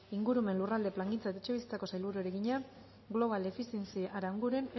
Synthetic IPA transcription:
iŋɡuɾume̞nlurald̪e̞plaŋɡint͡saet̪aet͡ʃe̞βisi̥t͡sako̞sajlβuɾueɾeɣiɲa | ɡlo̞β̞ald̪e̞fisjensiʔaɾauŋɡuɾe̞ne

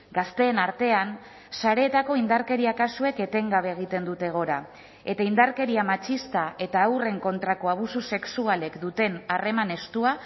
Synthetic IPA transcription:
ɡast̪e̞ːnaɾt̪e̞an | saɾe̞ːt̪ako̞ind̪aɾke̞ɾiakasue̞ke̞t̪e̞ŋɡaβe̞ːɣ̞it̪e̞nd̪ut̪e̞ɣ̞o̞ɾa | e̞t̪aind̪aɾke̞ɾiamat͡ʃist̪ae̞t̪aːwre̞ŋko̞nt̪ɾako̞aβ̞ususe̞ksuale̞kd̪ut̪e̞nare̞mane̞st̪ua

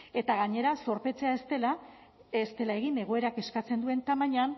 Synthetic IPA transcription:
e̞t̪aɣaɲe̞ɾaso̞ɾpe̞t͡se̞aest̪e̞la | est̪e̞lae̞ɣ̞ine̞ɣ̞o̞e̞ɾake̞skat͡se̞nd̪ue̞nt̪amaɲan

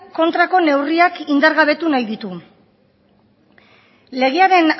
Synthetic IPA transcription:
ko̞nt̪ɾako̞ne̞wriakind̪aɾɣaβ̞e̞t̪unajðit̪u | le̞ɣ̞eaɾe̞n

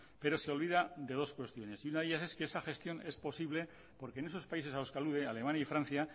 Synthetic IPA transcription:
pe̞ɾo̞seolβiðad̪e̞ð̞o̞skwe̞st̪jo̞ne̞siunaðe̞ʝjase̞skeesaxe̞st̪jo̞ne̞spo̞siβle̞ | po̞ɾkeːnes̬o̞spaise̞s̬alo̞skealuðe̞ale̞mãnjaifɾan̟θja

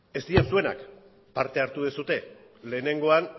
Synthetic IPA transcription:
e̞st̪iasue̞na̰k | paɾt̪e̞aɾt̪uðesut̪e̞ | le̞ːne̞ŋɡo̞an

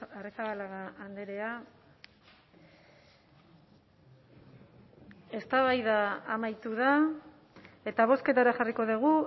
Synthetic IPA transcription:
aresaβalaɣaːnd̪eɾe̞a | e̞st̪aβajðaːmajt̪uð̞a | e̞t̪aβ̞o̞ske̞t̪aɾaxariko̞ðuɣ̞u

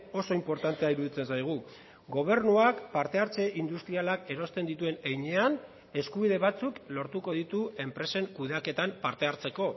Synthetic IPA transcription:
o̞so̞impo̞ɾt̪ant̪eaiɾuðit͡se̞nsajɣ̞u | ɡo̞β̞e̞ɾnuakpaɾt̪e̞aɾt͡se̞ʔind̪ust̪ɾialake̞ɾo̞st̪e̞nd̪it̪ue̞nejɲe̞an | e̞skuβ̞iðe̞βat͡suklo̞ɾt̪uko̞ð̞it̪ue̞mpɾe̞se̞ŋkuðeake̞t̪ampaɾt̪e̞aɾt͡se̞ko̞

